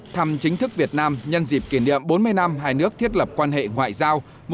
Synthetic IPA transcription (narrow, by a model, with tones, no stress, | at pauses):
t̪ʰa˧mt͡ɕï˨˦ŋ̟t̪ɨ˦˥k̚vi˨˩ət̚naː˧mɲə˧nzi˨˩p̚ki˧˩nɗḭ˧˨əmɓo˨˦nmɨ˧əjna˧mɦaː˧jnɨ˦˥ək̚t̪i˦˥ət̚lə˨˩p̚kwaː˧nɦḛ˧˨ŋwa̰ː˧˨jzaː˧w | m